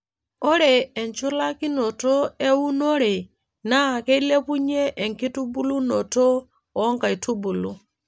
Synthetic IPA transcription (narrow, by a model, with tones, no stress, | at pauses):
o˦ɾeː˨nt͡ʃu˦la˦ki˦no˨to˦e˦wu˦no˦ɾe˨ | na˦˨ke˦i˦le˦pu˦ɲe˦ʔe˨ŋki˦tu˦bu˦lu˦no˨to˦ | o˦ŋka˨i˨tʰu˦bu˨lu˦